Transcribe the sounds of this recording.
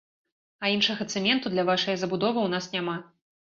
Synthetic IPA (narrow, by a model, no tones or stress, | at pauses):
ɐinʂɐɣɐt̪sɛmʲɛnt̪ud̪lʲɐvaʂɐjɐzɐbud̪ɔvɨwn̪asnʲama